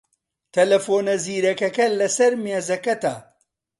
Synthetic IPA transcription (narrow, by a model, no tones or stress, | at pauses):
t̪ʰɐlɐfoːnɐziːɾɐkɐkɐlɐsɐɾmeːzɐkɐt̪aː